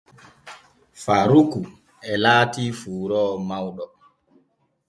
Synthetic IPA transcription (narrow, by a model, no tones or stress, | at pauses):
faɾuku | ɛlaːtiːfuːɾɔːmawɗɔ